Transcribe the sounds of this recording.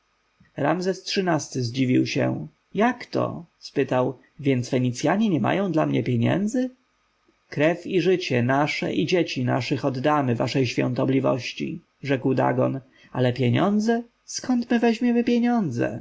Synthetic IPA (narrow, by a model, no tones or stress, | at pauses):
ɾa̰mzɛstʂɘnast̪ɘzd͡ʑivʲiwɕɛ̰ | jakt̪ɔ̰spɘt̪aw | vʲjɛnt̪sfɛɲit̪sʲjaɲɛɲɛma̰jɔ̃w̃d̪lamɲɛpʲjeɲɛ̰nd̪zɘ | kɾɛfiʐɘt͡ɕɛnaʂɛ̰ʔid͡ʑet͡ɕina̰ʂɘxɔd̪d̪amɘva̰ʂɛjɕfʲjɔ̰̃t̪ɔblʲivɔ̰ɕt͡ɕḭ | ʐɛkwd̪a̰ɡɔn | alɛpʲjeɲɔnd̪zɛ | skɔnt̪mɘvɛʑmʲjɛmɘpʲjɛɲɔnd̪zɛ̰